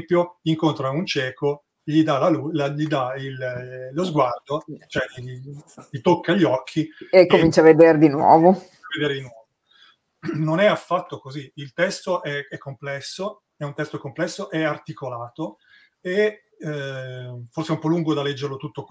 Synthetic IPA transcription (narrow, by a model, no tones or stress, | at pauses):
mpjoiŋkont̪ɾaunt͡ʃɛːko | ʎid̪alalulaʎid̪aillːozɡward̪ot͡ʃoɛiʎit̪okːaʎːɔkʰːiekːomint͡ʃaved̪eɾed̪inwɔ̰ːvo | aved̪eːɾed̪inwɔːvo | nonɛafːat̪ːokoziilt̪ɛst̪oʔɛɛkːomplɛsːo | ɛunt̪ɛst̪oɛkːomplɛsːoʔɛart̪ikolaːt̪o | e | forseɛumpɔlːuŋɡod̪alːɛd͡ʒːerlot̪ut̪ːo